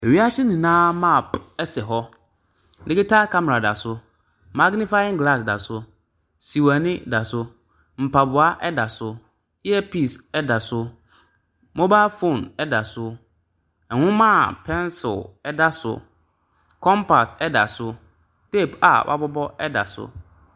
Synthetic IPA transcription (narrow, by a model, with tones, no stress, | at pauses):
e˨ɥi˦a˦ɕɪ˦nĩ˨nãː˦ma˦˨pɛ˦sɛ˨ɦɔ˦ | dɪ˦kɪ˦ta˦ka˦mɛ˨ɾa˨da̰˨sʊ˦ | ma˦ɡnɪ̃˦fa˦ɪ̃˦ŋɡla˦˨s̬da̰˨sʊ˦ | si˨wa˨nɪ̃˦da˨sʊ˦ | m̩˨pa˨bʊ˨a˦ʔɛ˦da˨sʊ˦ | ɛ˦pi˦˨sɛ˦da˨sʊ˦ | mɔ̃˦ba˦fo˦˨nɛ˦da˨sʊ˦ | ɛ˨ŋʊ̃˦mã˦˨pʰɛ̃˦nsɪ̰˨lɛ˦da˦sʊ̰˦ | kʰɔ̃˦mpa˨sɛ˦da̰˨sʊ˦ | te˦˨pa̰˨wʔa̰˦bɔ˦bɔ˦ɛ˦da̰˨sʊ̰˦